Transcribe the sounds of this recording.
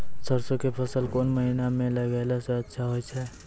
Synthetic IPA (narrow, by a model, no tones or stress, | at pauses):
səɾsokepʰəsəlkoːnməɦinamẽlɐʋeːlaseɐtːʃʰaɦoːt͡ʃʰɛː